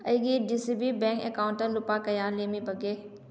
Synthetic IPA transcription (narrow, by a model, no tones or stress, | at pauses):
ɐiɡiɖisibibɛ̃ːŋkḛkaʊɳʈəɾlʊpakɐjaːleːmibɐɡeː